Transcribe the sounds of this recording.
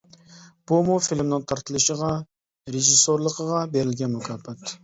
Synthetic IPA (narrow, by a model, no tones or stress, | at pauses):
b̥umufilmnɪŋt̪ʰɑɾt̪ʰəlˠɨʃəʁɑ | ɾeʒisoɾlˠəqʰəʁɑbeɾɪlɡʲɛnmukʲʰɑːpɛt̪